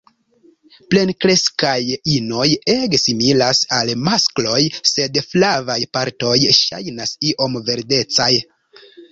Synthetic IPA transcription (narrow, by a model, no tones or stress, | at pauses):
ple̞nkɾe̞skajino̞je̞ɡsimilasalmasklo̞jse̞dflavajpaɾto̞jʃa̰jnasiʔo̞mve̞ɾde̞t͡saj